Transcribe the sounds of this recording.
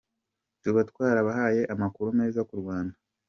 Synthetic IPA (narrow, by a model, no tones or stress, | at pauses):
tuβatkwaːɾaβaɦaje̞ʔamakuɾume̞ːzakuɾɡwaːnda